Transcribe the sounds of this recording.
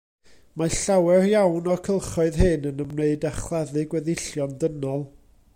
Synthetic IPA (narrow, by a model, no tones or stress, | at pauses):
maɬawɛrjawnɔkʰəlˠχɔɨðɦɨnənəmneɨdaχlˠɛðɨɡwɛðɪɬjɔndənɔlˠ